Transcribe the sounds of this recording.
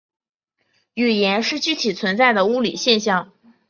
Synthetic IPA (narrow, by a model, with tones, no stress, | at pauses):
y˨˩jɛ˧˥nʂɻ̩˥˩t͡ɕy˥t̪ʰi˨˩t͡sʰwə˧˥nt͡sa˥˩ɪd̪ə˩u˥˩lḭ˨˩ɕjɛ˥˧nɕjɑ˥˩ŋ